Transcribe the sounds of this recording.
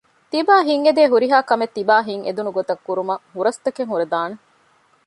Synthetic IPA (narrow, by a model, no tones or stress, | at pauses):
t̪ibaːɦiŋed̪eːɦuɾiɦaːkɐmet̪ːibaːɦiŋḛd̪unuɡot̪ɐkːuɾumɐɦuɾɐst̪ɐkeŋɦuɾed̪aːne